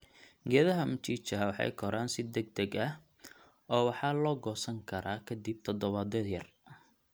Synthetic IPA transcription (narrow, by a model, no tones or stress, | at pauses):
ɡɛːðɐɦɐmʊt͡ʃiːt͡ʃɐɦɐwɑħɑ̰jkʰɔɾʔaːnsɪd̪ɛɡ̚d̪ɛɡɐh | ɔːwɑħɑːlɔːɡɔːsɐŋkʰɐɾaːkʰɐd̪ib̚t̪ʰɔd̪ɔβɐd̪ɛðjɐr